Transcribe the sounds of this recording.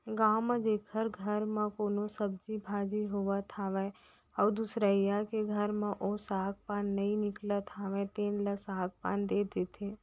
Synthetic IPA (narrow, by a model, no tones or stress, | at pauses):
ɡaːmə̃d͡ʒeːkʰəɾɡʱəɾmə̃koːnosəb̚d͡ʒibʱaːd͡ʒiɦoʋət̪ʰaʋɛ | ɔːd̪usɾəijakeɡʱəɾmẽʔosaːk̚paːnːəĩnɪklət̪ʰaʋɛ̃t̪eːnləsaːk̚pa̰ːnd̪eːd̪eːt̪ʰeː